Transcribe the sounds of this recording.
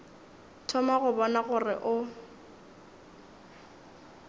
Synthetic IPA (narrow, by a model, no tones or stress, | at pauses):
tʰɔmaɣʊbɔnaɣʊrɪ̰ʔʊ